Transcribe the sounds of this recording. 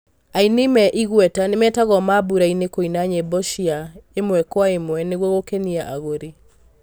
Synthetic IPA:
ainemɛʔiɣwɛtanemɛtaɣɔmabuɾainekoinaɲebɔʃiaemwɛkwaemwɛneɣwɔɣokɛniaʔaɣoɾe

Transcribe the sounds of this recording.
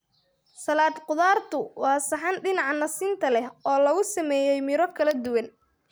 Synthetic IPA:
sɐlaːd̪qʊðaːrt̪ʰʊwɑːsɐħɑnɖɪnɑʕnɐsiːnt̪ʰɐlɛɦɔːlɐɣʊsɐmɛːjɛjmɪɾɔkʰɐlɐd̪ʊwɐn

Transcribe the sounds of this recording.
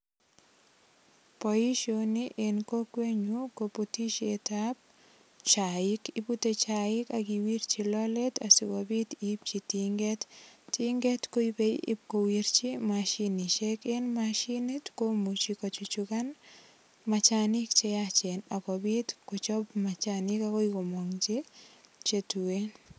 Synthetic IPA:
pojiʃoniʔenkokweɲukoputit͡ʃetab̚ | t͡ʃaɪkiputet͡ʃaɪkaɡiwiɾt͡ʃilɔlet̪asiwobit̪ip̚t͡ʃitiŋɡetːiŋɡɛtkoipeḭpkowiɾt͡ʃimaʃinit͡ʃekenmaʃinitkomut͡ʃikɔt͡ʃut͡ʃukan | mat͡ʃanɪkt͡ʃeat͡ʃenakobitkot͡ʃɔbmat͡ʃanɪkakoikomɔŋt͡ʃit͡ʃetuen

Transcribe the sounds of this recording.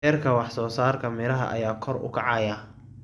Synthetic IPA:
ɛːrkʰɐwɑħsɔːsaːrkʰɐmɛlɐɦɐ̰ʔɐ̰jaːkʰɔrʊ̰kʰɑʕɑːja

